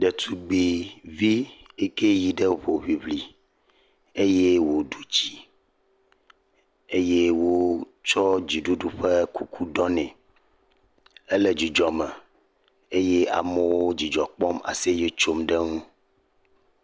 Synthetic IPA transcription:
ɖɛ˨t̪ʰu˦ɡ͡bi˨vi˦e˦ke˦ji˨ɖɛ˦βo˨βi˨βli˨ | e˦je˦wo˨ɖu˦t͡ɕi˨ | e˦je˦wo˦ | t͡ʃɔ˦d͡ʑi˨ɖu˦ɖu˦ɸɛ˦ku˦kʰu˦ɖɔ˦nɛ̃˨ | e˦lɛ˦d͡ʑi˨d͡ʒɔ˨mɛ˨ | e˦je˦a̰˨mɛ˦wwo˦d͡ʑi˨d͡ʒɔ˨k͡pɔ˦ma̰˨se˦je˦t͡ʃo˦mɖɛ˦ŋũ˦

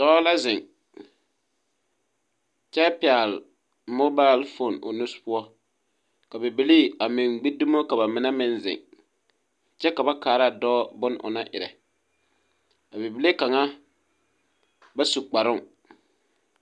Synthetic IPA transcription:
d̥ɔː˦la˦zɪ˨ŋ | t͡ʃɛ˦pɪ˨a˨l | mo˦ba˦˨˦lfo˦˨nʊ̰˨nʊ˦spʊ˦ɔ˦ | ka˨be˨bi˨˦li˦a˨mɪ˨ŋɡ͡bi˦du˦mo˦ka˨ba˨mɪ˨na˦mɪ˦nzɪ̰˨ŋ | t͡ʃɛ˦ka˨ba˦kaː˨ɾa˦˨dɔː˦bʊ˦nʔʊ̰˨na˦ʔɪ̰˨ɾɛ̰˨ | a˨be˨bi˨le˦ka˨ŋa˦ | ba˦su˨k͡pa˨ɾʊ˦ŋ

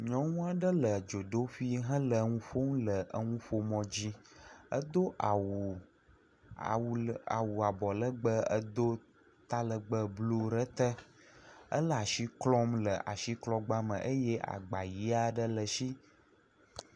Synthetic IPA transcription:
ɲɔ̃˦ŋũ˦a˨ɖə˦lə˨d͡ʒo˨ɖo˦fi˦ɦə̃˦lə˨˦ŋũ˦fo˦ŋ̃˦lə˨ʔə˦ŋũ˦ɸo˦mɔ̃˦d͡ʑi˦ə̰˦d̪o˦ʔa˨wu˨ | wa̰˨wu˨a˨bɔ˨lə˦ɡ͡bə˦ə˦d̪o˦ | t̪a˦lə˨ɡ͡bə˦blo˦ɾə˦t̪ə˦ | ə̰˦lə˦˨a˨ʃi˦klɔ˦mlə˨ʔa̰˨ʃi˦klɔ˦ɡ͡ba˦mə̰̃˨ʔə˦jɛ˦ʔa̰˨ɡ͡ba˨ji˦a˦ɖə˦lə˨ʃi˦

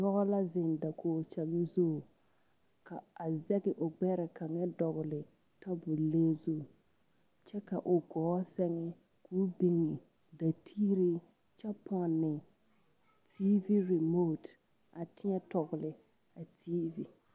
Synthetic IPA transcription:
dɔ˦ɣɔ˦la˦zɪ˨ŋ˨da˨kʰoː˨t͡ʃɛ˨ɡɪ˦zo˦˨ | ka˨a˨zɛ˦ɡɪ˨ʔʊ˨ɡ͡bɛ˦ɾɛ˨ka˨ŋɛ˦dɔ˨ɣʊ˨lɪ˨ | ta˦bʊ˨leː˦zo˦˨ | t͡ʃɛ˦ka˨ʔʊ˨ɡɔː˨˦sɛ˦ŋɛ˦ | kuː˦bi˦ŋɪ˨ | da˨tʰiː˦ɾi˦ | t͡ʃɛ˦pʰɔ˨nːɪ˨ | ti˦vi˦ɾi˨mo˦t | a˨tɪ˦ɲɛ˦tɔ˨ɡʊ˨lɪ˨ | a˨tʰiː˦vi˨

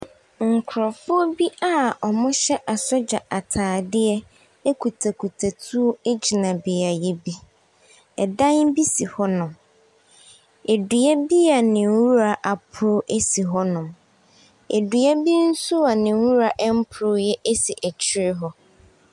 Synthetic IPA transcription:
ŋ̩˨kʰʊ˨ɾɔ˨fʊ˦ɔ˦bi˦a˦ɔ˨mʊ̃˦ɕɛ˦ʔa˨sɔ˦d͡ʑa˨a˨tʰaː˨dɪ˦ɛ˦ | e˦kʰu˨tʰa˨kʰu˨tʰa˨tʰu˦o˦e˦d͡ʑi˨nã˨bɪ˨a˨jɛ˦bi˦ | ɛ˨dã˦nbi˦si˨hɔ˦nʊ̃˨m | e˨du˨ɛ˦bi˦a˨nɪ̃˨˦wu˦ɾa˨ʔa˨pʰʊ˦ɾʊ˦ʔe˦si˨ɦɔ˦nʊ̃˨m | ḛ˨du˨ɛ˦bi˦n̩˦su˦a˨nɪ̃˨˦wu˦ɾa˨ʔɛ˦m̩˦pʰʊ˨ɾʊ˦jɛ˦ʔe˦si˨ʔɛ˨t͡ɕʰɪ˦ɾɪ˦ɦɔ˦

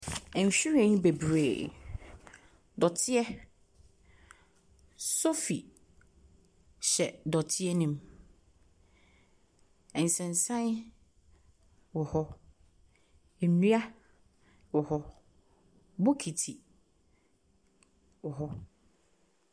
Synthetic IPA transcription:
ɛ̃˨n˨ɕᶣu˦ɾɛ̃˨ɲĩ˦be˨bɾe˨ | dɔ˨tʰɪ˦ɛ˦ | so˦fi˨ | ɕɛ˨dɔ˨tʰɪ˦ɛ˦nĩ˦m | ɛ̃˨n̩˨sɛ̃˨n˨sã˦n˦ | wɔ˨hɔ˦ | ɛ˨nũ˦a˦ | wɔ˨hɔ˦ | bo˦kʰi˨tʰi˨ | wɔ˨ɦɔ˦

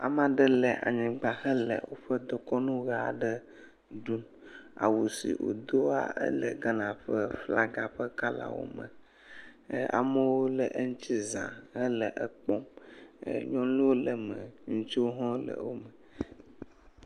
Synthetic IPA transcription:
a̰˨mã˨ɖə˦lɛ˨ʔa̰˨ɲĩ˨ɡ͡ba˨hə˦lə̰˨wo˦ɸə˦d̪ɔ˦kɔ˦nũ˦ɣa˦a˨ɖə˦ | ɖu˦n | a̰˨wu˨sḭ˨wo̰˨d̪o˦a̰˦ʔə̰˦lə˨ɡa˦nã˨ɸə˦fla˦ɡa˨ɸə˦ka˦la̰˨wo̰˦mə̰̃˨ | a̰˨mə˦wo˦lə˨ʔə˦ŋũ˦t͡ɕi˦zã̰˨hə˦lə˨ʔə˦k͡pɔ̃˦m˨ | ɲɔ̃˦lu˦wo˦lə˨mə̃˨ŋũ˦t͡ʃi˦wo˦ɦɔ̃˦lə̰˨wo˦mə˨

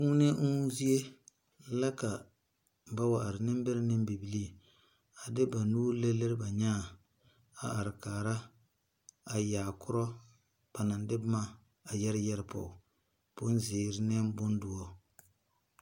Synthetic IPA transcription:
ku˦nɛ˦ŋ̩˦zi˦e˦ | la˦ka˨ | ba˦wa˨a˨ɾɪ˨nɪ˦m˦bɪ˦ɾɪ˦nɪ˦mbi˨bi˨li˦ | a˨dɪ˦ba˨nuː˦le˦lɪ˦ɾɪ˦ba˨ɲaː˦˨ | a̰˨a˨ɾɪ˨kaː˨ɾa˦ | a˨jaː˨kʰʊ˦ɾɔ˦ | b̥a˨na˨ndɪ˦bma˦ | a˨jɛ˦ɾɪ˦jɛ˦ɾɪ˦pɔ̰˨ʊ˨ | bʊ˦n˦zɪː˨ɾɪ˦nɛ˦mbʊ˦n˦dʊ˨ɔ˦

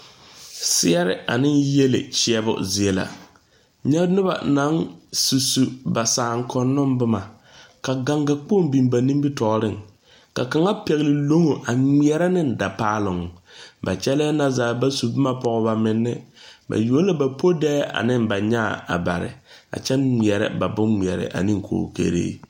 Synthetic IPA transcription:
sɪ˦ɛ˦ɾɪ̰˦ʔa̰˨nɪ˦nje˦lɪ̰˨t͡ʃɪ˦ɛ˨bʊ̰˦zɪ˨ɛ˨la̰˨ | ɲɛ˦bnɪ˦ba̰˨na˨˦nsu˨su˨ba˨saː˨ŋ˦kɔ˨nːɔ˦mbɪ˦ma˨ | ka˨ɡa˨ŋɡa˨k͡po˦˨mbi˨mba˨ni˦mbi˦tɔ˨˦ɾɪ˦˨ŋ | ka˨ka˨ŋa˦pɛ˨ɣlɪ˨lo˦ŋo˨ʔa˨mi˦ɛ˨ɾɛ˦nɪ˦nda˨paː˦lʊ˨ŋ˨ba̰˨t͡ʃɛ˦lɛː˦na˦zaː˨ba˦su˨bɪ˦ma˦pɔ˨ɡba˨mɪ˨nːɪ˦ba̰˨joː˨˦n˦la˦ba˨po˦dɛː˦a̰˨nɪ˦mba˨ɲa˦˨a̰˨ba˨ɾɪ̰˨a̰˨t͡ʃɛ˦nŋ͡mi˨ɛ˨ɾɛ̰˦ba˨bʊ˦nmi˨ɛ˨ɾɪ̰˨ʔa̰˨ni˦ŋkʰo̰ː˨kḛ˦ɾḛː˦

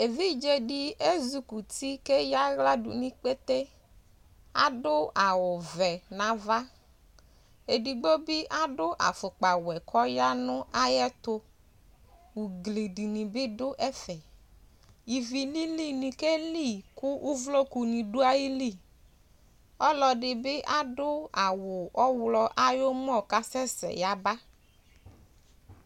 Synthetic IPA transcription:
e˨vi˦d͡ʒe˨ɖi˦e˦zu˨ku˨t̪i˦ke˦ja˦ɣla˦ɖʊ̰˨nĩ˦k͡pe˦t̪e˦ | a̰˦ɖʊ˦a˨wʊ˨vɛ˨nã˨va˦ | e˨di˨ɡ͡bo˦bɪ˦ʔa˦ɖʊ˦ʔa̰˨fʊ˨k͡pa˨wɛ˨kʰɔ˦ja˦nʊ̃˦a˦jɛ˦t̪ʊ˦ | wu˨ɡle˨di˨nĩ˨bɪ˦dʊ˦ʔɛ˦fɛ˨ | ji˨vi˨li˦li˦nĩ˨ke˦li˦˨kʊ˦ʔu˦vlo˦ku˨nĩ˨dʊ˦a˦ji˦li˦˨ | ɔ˦lɔ˨ɖɪ˨bɪ˦ʔa˦dʊ˦a˨wʊ˨ʔɔ˦wlɔ˦ʔa˦jo˦m˦ɔ̃˦˨ka˦sɛ˦sɛ̰˨ja˨ba˦

